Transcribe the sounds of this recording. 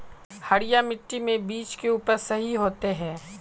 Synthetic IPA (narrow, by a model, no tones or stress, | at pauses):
hɐɽɪjamɪʈːimẽbiːt͡ʃkeuːpəɾsɐɦiɦoːt̪eɦɛ̃ː